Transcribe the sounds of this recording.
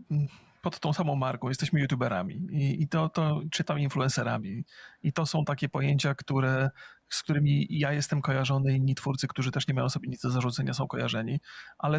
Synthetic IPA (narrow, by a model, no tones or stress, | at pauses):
pɔt̪t̪ːɔ̃w̃samɔ̃w̃maɾkɔ̃w̃jɛst̪ɛɕmɘjut̪ʲjubɛɾa̰mʲḭiit̪ɔt̪ɔt͡ʂɘt̪aminfluɛ̃nsɛɾa̰mʲiit̪ɔsɔ̃w̃t̪akʲɛpɔjeɲt͡ɕakt̪uɾɛsk̚t̪uɾɘmʲijajɛst̪ɛmkɔjaʐɔnɘinːit̪fuɾt̪sɨkt̪uʐɘt̪ɛʂɲɛmajɔ̃w̃sɔbʲeɲid̪d̪ɔzaʐut̪sɛɲasɔ̃w̃kɔja̰ʐɛɲiʔalɛ